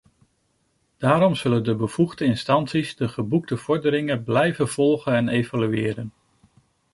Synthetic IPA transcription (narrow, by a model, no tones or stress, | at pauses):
d̥aːɾɔmz̥ɵləndəbəv̥uχdəɪnstɑntsizdəχəbuɡ̚dəv̥ɔɹdəɾɪŋəblɛjvəv̥ɔlˠχənɛnejvalyɪːɾən